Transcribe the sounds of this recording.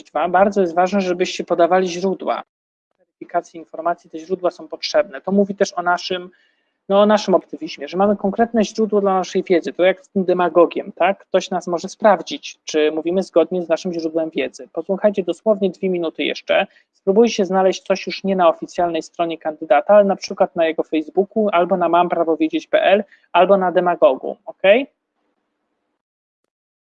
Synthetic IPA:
vabaɾd̪zɔjɛst̪vaʐnɛʐɛbɘɕt͡ɕɛpɔd̪avalʲiʑɾud̪wa̰ | vɛɾɘpʲikat̪sʲjiinfɔɾmat̪sʲjit̪ɛʑɾud̪wasɔ̃w̃pɔtʂɛbnɛt̪ɔmuvʲit̪ɛʂɔnaʂɘm | nɔːnaʂɘmɔpt̪ɘmʲiʑmʲjɛʐɛmamɘkɔŋkɾɛt̪nɛʑɾud̪wɔd̪lanaʂɛjvʲjɛd̪zɘt̪ɔjakst̪ɘmd̪ɛmaɡɔɡʲjɛmt̪akːt̪ɔɕnasmɔʐɛspɾavd͡ʑit͡ɕt͡ʂɘmuvʲimɘzɡɔd̪̚ɲɛznaʂɘmʑɾud̪wɛmvʲjɛd̪zɘpɔswuxajt͡ɕɛd̪ɔswɔvɲɛd̪vʲjemʲinut̪ɘjɛ̰ʂt͡ʂɛ̰ | spɾubujɕɛznalɛɕt͡ɕt̪sɔɕjuʂɲɛnaɔfʲit̪sʲjalnɛjst̪ɾɔɲɛkand̪ɘd̪at̪aalɛnapʂɘkwat̪̚najɛɡɔfɛjzbukualbɔnamampɾavɔvʲjed͡ʑet͡ɕpɛ̰ʔɛl | albɔnad̪ɛmaɡɔɡṵɔkɛj

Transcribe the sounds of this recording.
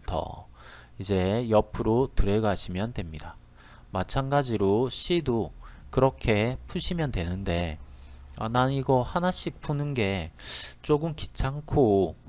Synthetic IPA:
tʰʌ̰ | id͡ʑe̞jʌpʰɯɾotɯɾe̞ɡaɕʰimjʌndwe̞mɲida | mat͡ɕʰanɡad͡ʑiɾoɕ͈ʰidokɯɾʌkʰe̞pʰuɕʰimjʌndwe̞nɯnde̞ | a̰naniɡʌhanaɕ͈ʰik̚pʰunɯnɡe̞t͡ɕ͈oɡɯmkit͡ɕʰaŋkʰo

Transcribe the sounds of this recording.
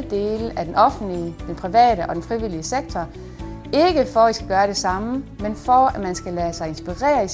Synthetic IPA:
d̥e̝̰ːləʔæd̥enɒ̽fn̩lid̥enpʰʁiʋɛ̰ːɾəʔɒ̽d̥enfʁiʋil̰iəseɡ̥̚t͡sʰɒ | e̝ɡ̥əfɒisɡ̥æɡ̥ɶːɐɾ̥e̝sɑ̈məmenfɒæmænsɡ̥ælæsɑ̈ɪe̝nsb̥iʁɛ̰ːɐi

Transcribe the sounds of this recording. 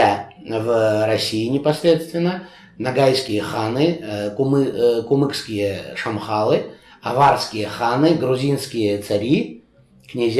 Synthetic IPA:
avrɐsʲiːnʲɪpɐsʲɾʲe̞t̪st̪vʲɪnːə | nɐɡajskʲɪjəxanɨkʊmkʊmɨkskʲɪjəʂɐmχalˠɨ | ɐvarskʲɪjəxanɨɡɾʊzʲinskʲɪjət̪sɐɾʲi | knʲɪzʲ

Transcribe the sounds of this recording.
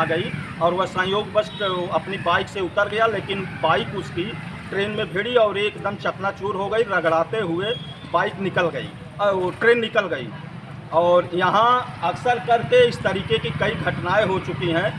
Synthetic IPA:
ɡəi | ɔːɾʋɐɦsə̃joːɡbəskɐpnibaːɪkseʊt̪əɾɡəjaleːkɪnbaːɪkʊskiʈɾeːnmẽbʱeːɽiɔːɾeːkd̪əmt͡ʃəknat͡ʃuːɾɦoɡəiɾəɡɽaːt̪eɦʊe | baːɪknɪkəlɡəḭ | ʈɾeːnːɪkəlɡəḭ | ɔːɾjɐɦãɐksəɾkəɾkeɪst̪əɾiːkekikəiɡʱəʈnaːeɦot͡ʃʊkiɦɛ̃ː

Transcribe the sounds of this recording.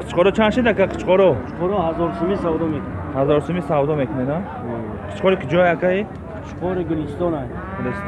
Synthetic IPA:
qʰi̥t͡ʃqʰɔɾɔt͡ʃʰanʃid̪akaqʰə̥t͡ʃqʰɔɾɔt͡ʃqʰɔɾɔhazɔɾsumisawd̪ɔmekʰnehazɔɾsumisawd̪ɔmekʰunena | qʰi̥t͡ʃqɔɾikʰid͡ʒɔajakʰai̥ | t͡ʃqʰɔɾiɡilist̪ɔnaj | ɡɡiles

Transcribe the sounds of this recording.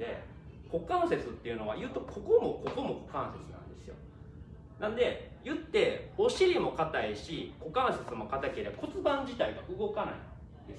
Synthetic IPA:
e̞̰ | ko̞kãɰ̃se̞t͡sɨt̪ːe̞jɯ̟no̞βajɯ̟ːt̪o̞kʰo̞komo̞ko̞ko̞mo̞ko̞̥kãɰ̃se̞t͡sɨnã̰nd̪e̞sɨjo̞̰ | nãnd̪e̞jɯ̟t̪ːe̞o̞ɕiɾʲimo̞kat̪aiɕiko̞kãɰ̃se̞t͡sɨmo̞kat̪akeɾʲeko̞t͡sɨbãɲ̟d͡ʑit̪aiɡaʔɯ̟ɡo̞kana̰ḭ̃ | d̪e

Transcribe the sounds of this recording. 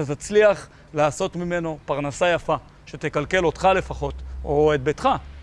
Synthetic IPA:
at̪at͡sliaχ | laːso̞t̪mime̞no̞paʁnasajafa | ʃet̪e̞kalke̞lo̞t̪χale̞faχo̞t̪oet̪̚betχa

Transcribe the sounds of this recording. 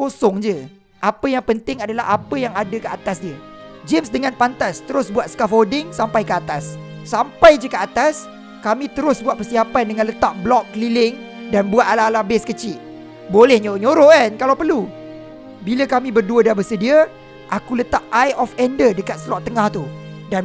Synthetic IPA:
kosɔŋd͡ʒə | ʔapəjaŋpənt̪ɪŋadalaɦapəjaŋadəkəat̪asdiəd͡ʒemsdəŋãnpant̪ast̪əɾʊsbuat̪̚skafodɪŋsampajkəat̪asː | ampajd͡ʒəkəat̪as | kamĩt̪əɾʊsbuat̪̚pərsiapandəŋãnlət̪aʔ̚blɔkːəlilɪŋ | danbuat̪̚alaalabeskət͡ʃɪʔ̚ | bolɛhɲoɲoɾoankalawpərlu | biləkamĩbərduədabəsədiə | ʔakulət̪aʔajɔfɛndədəkat̪səlɔʔt̪ːəŋaht̪udan

